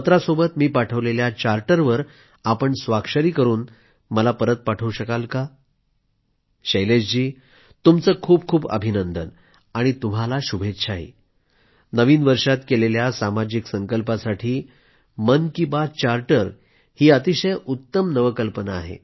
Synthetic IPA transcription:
ət̪ɾasobət̪miːpaʈʰəʋleljat͡ɕaɾʈəɾʋəɾ | apəɳsʋakʂəɾiːkəɾuːn | məlapəɾət̪̚paʈʰəuɕəkalka | ɕəjlesd͡ʑiː | t̪umt͡səːkʰuːb̚kʰuːbə̰bʱinənd̪ən | aɽ̃it̪um̤alaɕubʱet̪ɕʰaɦḭː | nəʋiːnʋəɾʂat̪keleljasamad͡ʑiksəŋkəlpasaʈʰiː | mənkibat͡ɕaɾʈəɾ | hiːət̪iɕəjut̪ːəmnəʋəkəlpənaːɦḛ

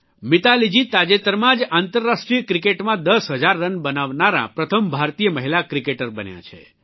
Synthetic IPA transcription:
mit̪alid͡ʒit̪ad͡ʒet̪əɾmãd͡ʒant̪əɾːasʈɾijəkɾikeʈmãd̪əsɦəd͡ʒaɾːənbənaʋnaɾã̰pɾət̪ʰəmbʱaɾt̪ijəməɦilakɾikeʈəɾbənjã̰t͡ʃʰḛ

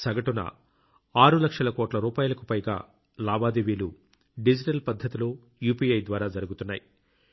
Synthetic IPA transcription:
sɐɡɐʈunɐ̰ | aːɾulɐkʂɐlɐkɔːʈlɐɾuːpaːjulɐkupɐjɡaː | laːbaːd̪eʋiːlu | ɖid͡ʒiʈɐlpɐd̪ʱːɐt̪ilo̞ː | juːpiːɐjd̪ʋaːɾaːd͡ʒɐɾuɡut̪unːaːji

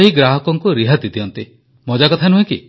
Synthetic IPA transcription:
ɦiɡɾaɦɔkɔŋkuɾiɦat̪it̪iɦɔnt̪i | mɔd͡ʒakɔt̪ʰanuɦeki

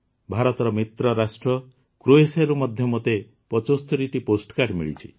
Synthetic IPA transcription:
bʱaɾɔt̪ɔɾɔmit̪ɾɔɾasʈɾɔ | kɾoesaɾumɔd̪ʱjɔmot̪e | pɔt͡ʃost̪ʰuɾiʈiposʈɔ̥kaɖmḭɭḭt͡ʃʰi

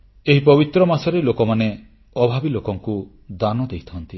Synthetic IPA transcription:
eɦipɔbit̪ɾɔmasɔɾelokɔmane | ɔbʱabilokɔŋku | d̪anɔd̪ejt̪ʰɔnt̪i

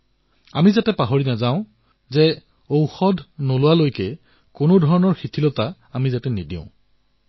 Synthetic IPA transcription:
a̰mizatɛpaɦoɹinazãʊ̃ | zɛ | owxɔdʱnolʊwalojkɛ | konodʱɔɹɔnɔɹxitʰilɔta | amizatɛnidĩʊ̃

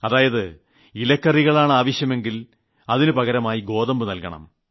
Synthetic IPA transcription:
ɐðaːjɐðɨ | ilɐkːɐriɣɐɭaːɳɨaːʋɐɕjɐme̞ŋɡil | ɐðinɨpɐɣɐɾɐmaːjiɡo̞ːðɐmbɨnɐlkɐɳɐ̰m

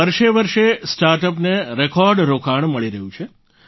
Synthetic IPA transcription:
əɾʃeʋəɾʃesʈaɾʈəp̬neɾekɔɾɖɾokʰaɳməɭiɾəɦũt͡ʃʰe

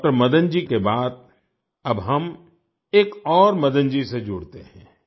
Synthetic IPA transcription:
ʈəɾmɐd̪ə̃nd͡ʒikebaːd̪̚ | ɐbɦɐm | eːkɔːɾmɐd̪ə̃nd͡ʒised͡ʒʊɽt̪eɦɛ̃ː

